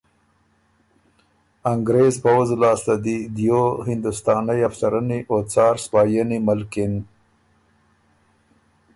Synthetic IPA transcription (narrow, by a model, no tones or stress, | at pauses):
aŋɡɾezpawzlɑːst̪ad̪id̪johɪnd̪ʊst̪ɑːnajafsaɾaniʔot͡sɑːɾspɑːjənimalkɪn